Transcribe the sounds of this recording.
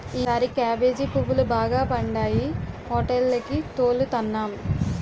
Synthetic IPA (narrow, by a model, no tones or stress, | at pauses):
iːaːɾikaːʋeːd͡ʒipuʋːulubaːɡaːpɐɳɖaːjihɦɔːʈelːɐkit̪oːlːut̪ɐnːaːm